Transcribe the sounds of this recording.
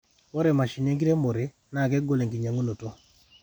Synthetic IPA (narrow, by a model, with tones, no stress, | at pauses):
o˦ɾɛ˨ma˨ʃi˨ne˦ŋɡi˦ɾe˦mo˨ɾe˨ | na˨kɛ˦ɡo˦le˨ŋɡi˨ɲa˨ŋo˦no˨to˦